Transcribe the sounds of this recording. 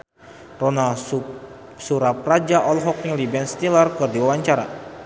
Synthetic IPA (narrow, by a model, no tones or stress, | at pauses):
ronal | suɾap̚rad͡ʒaʔɔlɦɔk̚nilibɛnst̪ilərkɨrdiwawaɲt͡ʃaɾa̰